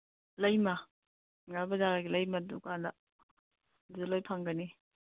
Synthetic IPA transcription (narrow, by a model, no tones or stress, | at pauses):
lɐjma | ŋabɐdaɡaɡilɐjmadukandɐ | dulojpʰaŋɡɐni